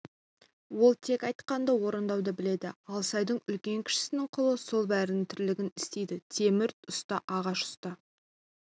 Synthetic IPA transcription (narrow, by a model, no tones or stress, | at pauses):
wo̞lˠt̪ʰe̞kɑjt̪qɑnd̪ɑwo̞ɾənd̪ɑwd̪əbɪle̞d̪ɪɑlˠsɑjd̪əɴʏlkʲe̞ŋkʲʰɪ̥ʃɪ̥sɪnɪɴqʰʊlˠəso̞lˠbæɾɪnɪŋt̪ʰʏɾlɪɡʲɪnɪst̪e̞jd̪ɪt̪ʰe̞mɪɾt̪ʊst̪ɑʔɑʁɑʃʊ̥st̪ə